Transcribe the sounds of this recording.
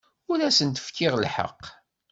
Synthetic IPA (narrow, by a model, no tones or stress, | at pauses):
ʊɾæsənt̪ə̥fkʰːɪʁlħə̰qː